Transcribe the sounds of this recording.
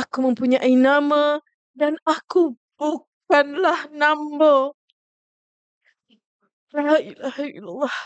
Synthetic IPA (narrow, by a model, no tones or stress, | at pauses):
akuməmpuɲaʔinama | danaku | b̥uk | anlahnambə | aɦaʔilahaḭlalˤːɑh